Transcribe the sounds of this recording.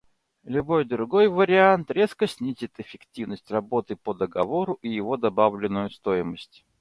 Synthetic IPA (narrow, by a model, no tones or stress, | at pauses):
lʲʊbo̞jd̪ɾʊɡo̞jvəɾʲɪant̪ɾʲe̞skəsʲnʲizʲɪt̪ɪfʲɪktʲivnəsʲtʲrɐbo̞t̪ɨpəd̪əɡɐvo̞ɾʊʔijɪvo̞d̪ɐbavlʲɪnːʊjʊst̪o̞jɪməsʲtʲ